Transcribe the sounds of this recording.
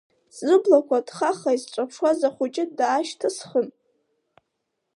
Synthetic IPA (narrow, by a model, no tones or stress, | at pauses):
szɨblakʷadχaχaizʈ͡ʂʷʼapʰʂwazaχʷut͡ʃʼɪdaːʃtʰasχən